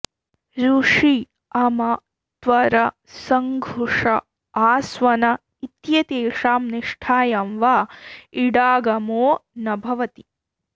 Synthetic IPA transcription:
ɾuʂi | ɐmɐ | t̪ʋɐɾɐ | sɐŋɡʱuʂɐ | aːsʋɐnɐ | it̪jɐt̪eːʂaːmniʂʈʰaːjɐmʋaːiɽaːɡɐmoːnɐbʱɐʋɐt̪i

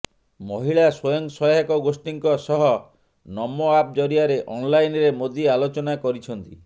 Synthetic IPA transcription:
moɦiɭaswɔjɔŋsɔjakɔɡosʈiŋkɔsɔɦɔ | nɔmːoap̚d͡ʒɔɾiaɾeʔɔnlajnɾemod̪ialot͡ʃɔnakɔɾit͡ʃʰɔnt̪i

